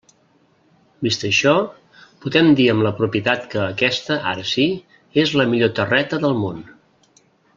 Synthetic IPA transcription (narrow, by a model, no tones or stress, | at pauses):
bist̪əʃɔ | puðɛmd̪iəmləpɾupiət̪at̪kəːkɛst̪əʔa̰ɾəsi | ezləmiʎot̪ərɛt̪əðəlˠmon